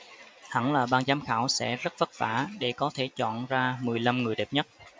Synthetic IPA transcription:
hə˧˩ŋlaː˨˩ɓaː˧nzaː˨˦mxaː˧˩wsɛ̰˧˥zə˦˥t̚və˦˥t̚va̰ː˧˩ɗe˧˩kɔ˨˦t̪ʰe˧˩t͡ɕɔ̰˧˨nzaː˧mɨ˨˩əjla˧mŋɨ˨˩əjɗe˨˩p̚ɲə˦˥t̚

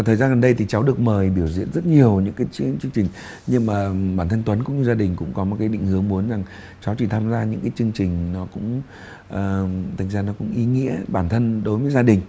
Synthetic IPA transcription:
aː˨˩t̪ʰəː˨˩zaː˧nɣə˨˩nɗə˧jt̪ʰi˨˩t͡ɕa˨˦wɗɨ˨˩ək̚məː˨˩jɓi˧˩əwzḭ˧˨ənzə˦˥t̚ɲi˨˩əwɲɨ̰˧˥ŋkaː˨˦jt͡ɕt͡ɕɨ˧əŋt͡ɕï˨˩ŋ̟ | ɲɨ˧ŋmaː˨˩ɓaː˧˩nt̪ʰə˧nt̪wə˨˦nkʊ̰˧˥ŋ͡mɲɨ˧zaː˧ɗï˨˩ŋ̟kʊ̰˧˥ŋ͡mkɔ˨˦mo˨˩t̚kaː˨˦jɗḭ˧˨ŋ̟hɨ˨˦əŋmu˨˦ənza˨˩ŋ | t͡ɕa˨˦wt͡ɕi˧˩t̪ʰaː˧mzaː˧ɲɨ̰˧˥ŋkaː˨˦jt͡ɕɨ˧əŋt͡ɕï˨˩ŋ̟nɔ˨˦kʊ̰˧˥ŋ͡m | ʔəː˨˩t̪ʰa˨˩ŋ̟zaː˧nɔ˨˦kʊ̰˧˥ŋ͡mʔi˨˦ŋḭ˧˥əɓaː˧˩nt̪ʰə˧nɗo˨˦jvəː˨˦jzaː˧ɗï˨˩ŋ̟

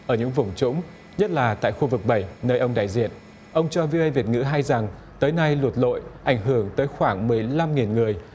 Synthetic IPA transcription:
ʔəː˧˩ɲɨ̰˧˥ŋvʊ˨˩ŋ͡mt͡ɕʊ̰˧˥ŋ͡m | ɲə˦˥t̚laː˨˩t̪a̰ː˧˨jxu˧vɨ˨˩k̚ɓə˧˩jnəː˧jʔə˧wŋ͡mɗa̰ː˧˨jzḭ˧˨ən | ʔə˧wŋ͡mt͡ɕɔ˧vi˧ʔə˧jvi˨˩ət̚ŋɨ̰˧˥ɦa˧jza˨˩ŋ | t̪əː˨˦jna˧jlu˨˩t̚lo̰˧˨jʔa˧˩jŋ̟ɦɨ˧˩əŋt̪əː˨˦jxwaː˧˩ŋmɨ˨˩əjla˧mŋi˨˩nŋɨ˨˩əj

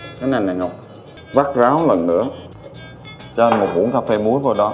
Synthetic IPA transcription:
ka˨˦na˨˩jna˨˩jŋɔ˨˩k͡p̚ | va˦˥k̚zaː˨˦wlə˨˩nːɨ̰˧˥ə | t͡ɕɔ˧ʔa˧nmo˨˩ɓṵ˧˥ə˦ŋkaː˧fɛ˧mu˨˦əvəː˨˩ɗɔ˨˦

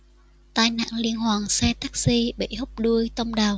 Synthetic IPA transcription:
t̪aː˧˩jna̰ː˧˨ŋli˧ənɦwaː˨˩ŋsɛ˧t̪a˦˥k̚si˧ɓə̰˧˨jhə˦˥k͡p̚ɗu˧əjt̪ə˧wŋ͡mɗaː˨˩w

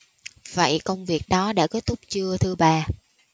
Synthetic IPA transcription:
və̰˧˨jkə˧wŋ͡mvi˨˩ək̚ɗɔ˨˦ɗa̰ː˧˩ke˦˥t̚t̪ʊ˦˥k͡p̚t͡ɕɨ˧ət̪ʰɨ˧ɓaː˧

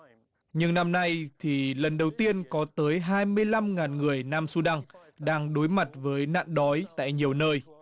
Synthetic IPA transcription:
ɲɨ˧ŋna˧mna˧jt̪ʰi˨˩lə˨˩nɗə˨˩wt̪i˧ənkɔ˨˦t̪əː˨˦jɦaː˧jmɨ˧əjla˧mŋaː˨˩nŋɨ˨˩əjnaː˧msu˧ɗa˧ŋ | ɗaː˧ŋɗo˨˦jma˨˩t̚vəː˨˦jna̰ː˧˨nɗɔ˨˦jt̪a̰ː˧˨jɲi˨˩əwnəː˧j

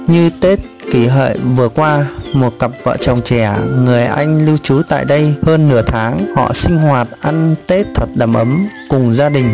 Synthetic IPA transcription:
ɲɨ˧t̪e˦˥t̚ki˧˩ɦə̰ː˧˨jvɨ˨˩əkwaː˧mo˨˩t̚kə˨˩p̚və̰˧˨t͡ɕə˨˩wŋ͡mt͡ɕɛ˧˩ŋɨ˨˩əjʔa˧jŋ̟li˧wt͡ɕu˨˦t̪a̰ː˧˨jɗə˧jhəː˧nːɨ˧˩ət̪ʰaː˨˦ŋhɔ̰˧˨sï˧ŋ̟hwaː˨˩t̚ʔa˧nt̪e˦˥t̚t̪ʰwə˨˩t̚ɗa˧˩mʔə˨˦mkʊ˨˩ŋ͡mzaː˧ɗï˨˩ŋ̟

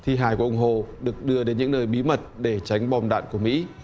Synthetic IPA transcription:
t̪ʰi˧ɦaː˧˩jku˧˩ʔʊ˧ŋ͡mɦo˧˨˩ɗɨ˨˩ək̚ɗɨ˧əɗe˨˦nɲɨ̰˧˥ŋnəː˧˩jɓi˨˦mə˨˩t̚ɗe˧˩t͡ɕa˨˦jŋ̟ɓɔ˧mɗa̰ː˧˨nku˧˩əmḭ˧˥

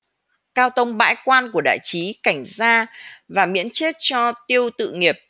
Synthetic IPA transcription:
kaː˧wt̪ə˧wŋ͡mɓa̰ː˧˥jkwaː˧nku˧˩əɗa̰ː˧˨jt͡ɕi˨˦ka˧˩jŋ̟zaː˧vaː˨˩mḭ˧˥ənt͡ɕe˦˥t̚t͡ɕɔ˧t̪i˧əwt̪ɨ̰˧˨ŋi˨˩əp̚

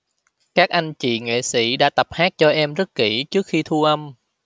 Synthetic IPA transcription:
kaː˦˥k̚ʔa˧jŋt͡ɕḭ˧˨ŋḛ˧˨sḭ˧˥ɗa̰ː˧˥t̪ə˨˩p̚haː˦˥k̚t͡ɕɔ˧ʔɛ˧mzə˦˥t̚ki˧˩t͡ɕɨ˦˥ək̚xi˧t̪ʰu˧əʔə˧m

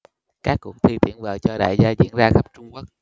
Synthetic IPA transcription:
kaː˦˥kːʊ˨˧˩ŋt̪ʰi˧˩t̪ḭ˧˩ənvəː˨˩t͡ɕɔ˧ɗa̰ː˧˨jzaː˧zḭ˧˥ənzaː˧xa˦˥p̚t͡ɕʊ˧ŋ͡mku˦˥ək̚

